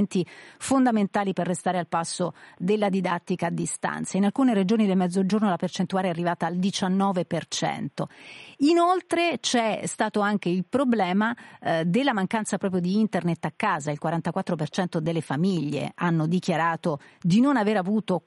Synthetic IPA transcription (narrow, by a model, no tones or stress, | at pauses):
nt̪ifond̪ament̪aːliperːest̪aːɾealpasːod̪elːad̪id̪at̪ːikaːd̪ːist̪a̰nt̪sainalkuːneɾed͡ʒoːnid̪elmɛd̪zːod͡ʒornolapert͡ʃent̪uaːɾeɛarːivaːt̪aːld̪it͡ʃanːɔːvepert͡ʃɛ̰nt̪oinolt̪ɾet͡ʃɛst̪aːt̪oaŋk̟eilpɾoblɛːmad̪elːamaŋkant̪sapɾɔːp̬ɾjod̪iint̪ernet̪ːakːaːzailkwaɾant̪akwat̪ːɾopert͡ʃɛnt̪od̪elːefamiʎːḛanːod̪ik̟jaɾaːt̪od̪inonaveːɾavuːt̪o